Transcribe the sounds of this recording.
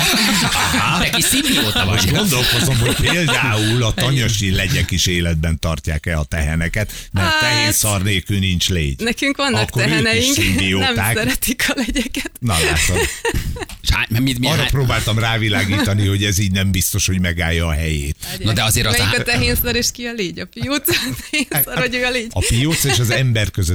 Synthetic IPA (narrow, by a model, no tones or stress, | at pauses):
ɦanɛkisimbijoːt̪ɒvɡo̞nd̪o̞lkozomɦocpeːld̪aːulɒt̪ɒɲoʃilɛɟɛkiʃeːlɛd̪̚bɛnt̪ɒrcaːkɛɒt̪ɛɦɛnɛkɛt̪ | mɛɾt̪ɛɦeːnsɒrneːlkyːnint͡ʃlḛːɟnɛkyŋkʋɒnːɒkkːoɛøɦɛːnɛjiʃŋkimbioːnɛmt̪ːasːɛɾɛt̪ikʰɒlɛɟɛkɛt̪nɒlaːt̪o | ʃa̰mɛmiɒrːɒproːbaːlt̪ɒmraːvilaːɡiːt̪ɒniɦo̞ɟɛziːɟnɛmbist̪o̞ʃho̞ɟmɛɡaːjːɒːɦɛjḛːt̪nod̪ɛɒzeːɾɒɛɒt̪ɛɦeːnsɒɾeːʃkiɒleːɟɒfijoːt̪st̪ɛhensɒɾɔɟøːɒleːɟ̥ɒfijoːt̪seʃɒzɛmbɛrkøzø